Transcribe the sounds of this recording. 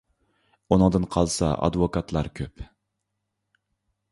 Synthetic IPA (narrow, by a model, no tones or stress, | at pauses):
unɨŋd̪ɨnqʰɑlˠsɑ̰ʔɑ̰d̪vokɑt̪ʰlˠɑɾkʲʰøp